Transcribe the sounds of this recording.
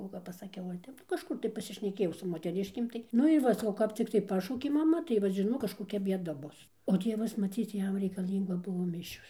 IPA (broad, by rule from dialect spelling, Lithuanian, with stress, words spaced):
oː kɐp pɐsɐˈkʲɛʊ ʋɐ ˈtʲɛp nʊ kɐʃˈkʊr tɐɪ pɐsʲɪʃʲnʲɛˈkʲeːjɛʊ sʊ moːtʲɛˈrʲɪʃʲkʲeːm tɐɪ ˈnʊ ɪr ˈʋɐ sɐˈkɐʊ kɐp t͡sʲɪkˈtɐɪ ˈpɑːʃɐʊkʲeː mɐˈmɐ tɐɪ ʋɐt ʒʲɪˈnoːk kɐʃkoːˈkʲɛ bʲiɛˈdɐ ˈbʊs oː ˈtʲiɛʋɐs mɐˈt͡sʲiːt͡s ˈjɛm rʲɛɪkɐˈlʲiːŋɡɐ ˈbʊʋoː ˈmʲɪʃʲoːs